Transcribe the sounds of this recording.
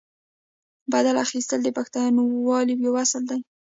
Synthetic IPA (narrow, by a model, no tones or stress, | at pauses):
bad̪alaxist̪əld̪əpaxt̪ɑjɑnowɑliwjawasəld̪aj